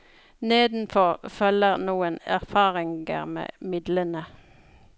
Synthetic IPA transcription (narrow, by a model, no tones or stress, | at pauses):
neːd̪n̩fɔʁfœləʁnuːənæ̰ʁfɑːʁɪŋɡə̰ʁmḛːmɪd̪lənə